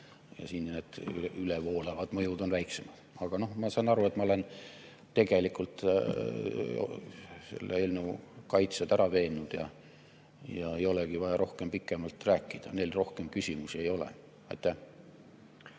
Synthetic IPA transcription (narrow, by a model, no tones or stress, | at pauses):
jɑ̰siːnned̪̥ylevo̞ːlevɑd̪̥mɤ̞jud̪o̞nvæjkse̞mɑd̪̥ɑɡ̥ɑno̞hmɑsɑnɑɾue̞t̪mɑole̞n | t̪e̞ɡ̥e̞likult̪ | se̞̰lːeelnukɑjt̪sed̪æɾɑve̞ːnːud̪̥jɑ̰ | jɑe̞jo̞le̞ɡ̥ivɑjɑɾo̞hke̞mpikːˑe̞mɑlt̪ræːkːˑid̪̥ɑne̞jlro̞hke̞mkysʲimusie̞jo̞lḛ | ɑ̰jt̪ːˑæh